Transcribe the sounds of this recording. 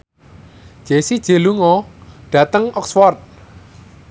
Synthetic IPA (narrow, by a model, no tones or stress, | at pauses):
d̥ʒ̥esid̥ʒ̥e̤luŋɔɖ̥ä̤t̪əŋʔɔkswɔrt̪̚